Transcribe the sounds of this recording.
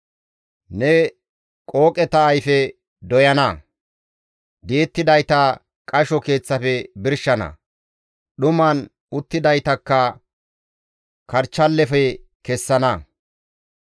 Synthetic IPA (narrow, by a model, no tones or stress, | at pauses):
nɛ | kʼo̞ːkʼɛt̪ɐːjfɛ | d̪ɔjɐnɐ | d̪eːt̪ːɪd̪ɐjt̪ɐ | kʼɐʃɔke̞ːt͡sːɐfɛbɪɾʃɐnɐ̰ | ɗʊmɐn | ʊt̪ːɪd̪ɐjt̪ɐkːɐ | kɐɾt͡ʃːɐlːɛfɛkɛsːɐnɐ